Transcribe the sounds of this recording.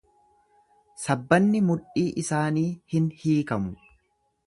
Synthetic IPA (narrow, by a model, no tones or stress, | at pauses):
sɐbːɐnːɪmʊᶑiːʔɪsaːniːhɪnhiːkɐmʊ